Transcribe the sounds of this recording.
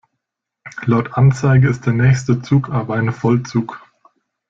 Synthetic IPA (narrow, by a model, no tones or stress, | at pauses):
laʊtʰʔant͡saɪɡəɪst̚d̥eːɐnɛːçstət͡suːkʔaːbɐaɪnəfɔlt͡suːk